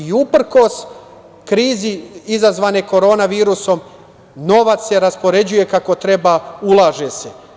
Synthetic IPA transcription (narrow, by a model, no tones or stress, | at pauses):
iupr̩ko̞s | kɾiːziizazʋaːneko̞ɾo̞ːnaʋiːɾuso̞m | no̞ʋat̪se̞ɾaspo̞ɾe̞d͡ʑuje̞kako̞t̪ɾe̞baːulˠaːʒe̞se